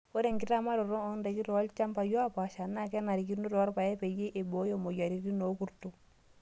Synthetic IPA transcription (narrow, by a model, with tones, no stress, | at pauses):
o˦ɾe˦˨ŋɡi˦ɾa˦ma˦ɾɔ˨ɾɔ˦ɔ˦nde˨ki˦ɾɔ˨˦lt͡ʃa˦mpa˨jɔ˦a˦pa˨ʃa˨nːa˦˨kɛ˦na˨ɾi˨k̬i˦ɾnu˦ɾɔ˨˦ɾpa˨jɛ˦pe˨je˦ʔe˨bo˨˦jo˨mo˨ja˨ɾi˨ɾi˦no˨˦ku˦ɾtu˦